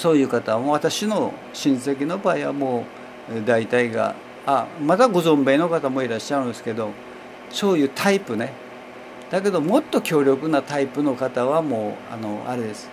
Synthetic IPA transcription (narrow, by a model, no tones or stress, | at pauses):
so̞ːjɯ̟ːkat̪amoβ̞at̪aɕino̞ | ɕĩɰ̃se̞k̬ʲino̞baːiβa̰mo̞ː | d̪ait̪aiɡa̰ | amat̪aɡo̞zõ̞mbe̞ːno̞kat̪amo̞iɾaɕːaɯ̟nd̪esɨ̥ke̞d̪o̞ | so̞ːjɯ̟ːt̪ʰaipɯ̟ne̞ | d̪̥ake̞d̪o̞mo̞t̪ːo̞kʲo̞ːɾʲo̞kɯ̟nat̪aipɯ̟no̞kat̪aβamo̞ːa̰no̞a̰ɾe̞d̪e̞sɨ̥